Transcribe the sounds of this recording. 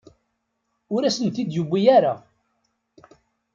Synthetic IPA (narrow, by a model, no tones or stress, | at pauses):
ʊɾæsənt̪id̪jubːijæɾa